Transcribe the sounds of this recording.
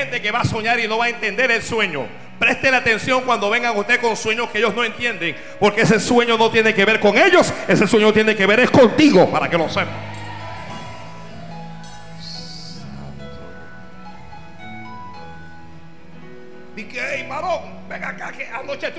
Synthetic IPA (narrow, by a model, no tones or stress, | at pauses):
end̪eke̞βaːso̞ɲaɾino̞βaent̪e̞nd̪e̞ɾelswe̞ɲo̰ | pɾe̞st̪elat̪e̞nsjo̞ŋkwand̪o̞βe̞ŋɡaŋust̪e̞ðko̞nswe̞ɲoskeeʝo̞zno̞e̞nt̪je̞nd̪eŋ | po̞ɾkeese̞swe̞ɲo̞no̞t̪jeneke̞βe̞ɾko̞ŋe̞ʝo̞se̞se̞sweɲot̪jeneke̞βe̞ɾesko̞nt̪iɣo̞paɾa̰keloswemḛ | a | t̪o̰ | d̪ikeejmaɾoŋ | beŋɡakakeanot͡ʃet̪